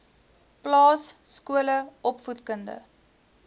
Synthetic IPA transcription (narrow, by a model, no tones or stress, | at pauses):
plɑːsːkuələʔɔpfutkəndə̰